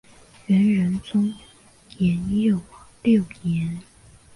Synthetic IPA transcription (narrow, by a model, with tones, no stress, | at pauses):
ɥɛ˧˥nɻə˧˥nt͡sʊ˥ŋ | jɛ˧˥njo˥˩ʊljo˥˩ʊjɛ˧˥n